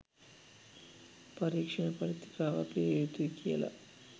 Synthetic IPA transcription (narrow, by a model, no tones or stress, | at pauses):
pɐɾiːkʂɐɳɐpɐɾit̪i̥kaːʋa̰ːpiejut̪uikijɐ̰lɐ̰